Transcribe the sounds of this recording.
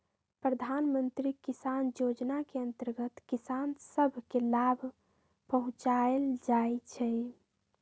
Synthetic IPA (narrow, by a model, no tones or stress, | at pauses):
pɾəd̪ʱanmənt̪ɾikisanjod͡ʒnakeənt̪əɾɡət̪kisansəbʱkelabʱ | pəɦũt͡ʃaeld͡ʒaet͡ʃʰɛ